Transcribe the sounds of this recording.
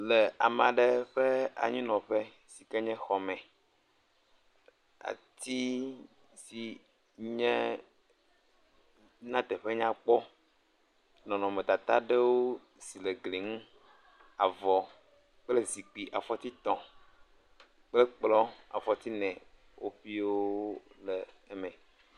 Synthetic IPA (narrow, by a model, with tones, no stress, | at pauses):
lɛ˨a˨m˨ã˨ɖɛ˦ɸɛ˦a̰˨ɲĩ˦nɔ̃˨ɸɛ˦ | si˨kɛ˦ɲɛ̃˦xɔ˨mɛ̃˨ | a̰˨t̪i˦ | si˨ | ɲɛ̃˦ | nã˦t̪ɛ˨ɸe˦ɲã˦k͡pɔ˦ | nɔ̃˨nɔ̃˨mẽ˨t̪a˨t̪a˦ɖe˦wo˦ | si˨le˨ɡli˨ŋũ˦ | a˨vɔ˨ | k͡ple˦zi˨k͡pi˨ʔa˨fɔ˦t̪i˦t̪ɔ̃˨ | k͡ple˦k͡plɔ˦a̰˨fɔ˦t̪i˦nɛ̃˨ | wʔo̰˦ɸi˦wo˦lɛː˨mɛ̃˨